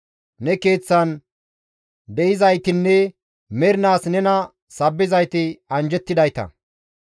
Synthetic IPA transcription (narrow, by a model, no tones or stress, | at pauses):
nɛke̞ːt͡sːɐn | d̪ɛʔɪzɐjt̪ɪnːɛ | mɛɾɪnaːsnɛnɐ | sɐbːɪzɐjt̪ɪɐnd͡ʒɛt̪ːɪd̪ɐjt̪ɐ̰